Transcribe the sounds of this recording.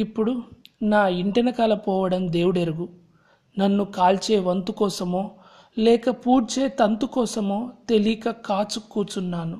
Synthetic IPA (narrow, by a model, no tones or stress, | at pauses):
ipːuɽunaːiɳʈinɐkɐlɐpɔːʋɐɽɐmd̪e̞ːwuɽeɾuɡu | nɐnːukaːlt͡ʃe̞ːʋɐnt̪ukɔːsɐmo̞ː | lɛːkɐpuːɾt͡ʃe̞ːt̪ɐnt̪ukɔːsɐmo̞ːt̪e̞likɐkaːt͡ʃukːuːt͡ʃunːaːnu